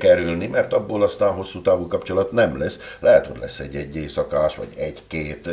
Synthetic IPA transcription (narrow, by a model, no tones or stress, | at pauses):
kɛɾylnimɛrt̪ɒbːoːlɒst̪aːnɦo̞sːuːt̪aːvukɒpt͡ʃo̞lɒt̪nɛmlɛslɛɦɛt̪ho̞̰ɟʲlɛsːɛ̰ɟːɛɟːeːsɒkaːʃʋɒ̰ɟɛɟkeːt̪